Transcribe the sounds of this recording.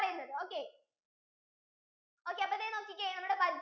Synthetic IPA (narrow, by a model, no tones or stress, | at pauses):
rɐjunːɐðɨoːkːe̞ | o̞ːkːeɐpːoiðeno̞ːkːikʲːɐjanɐmːuɽebɐd